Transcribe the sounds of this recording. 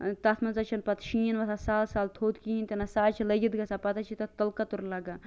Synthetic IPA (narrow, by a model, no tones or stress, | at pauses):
t̪ɐt̪ʰmɐnzɐt͡ʃʰɐnpɐt̪ʃiːnʋɐt̪ʰasaːlsaːlt̪ʰoːt̪kiint̪inɐsaːt͡ʃʰilɐɡid̪ɡɐsapɐt̪at͡ʃʰit̪ɐt̪ɐlkɐt̪uɾlɐɡa